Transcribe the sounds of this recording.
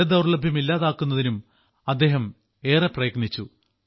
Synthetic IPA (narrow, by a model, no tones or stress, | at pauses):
ɐd̪ɐwrlɐbʱjɐmilːaːðaːkːunːɐðinum | ɐd̪ːe̞ːɦɐm | e̞ːreprɐjɐknit͡ɕːu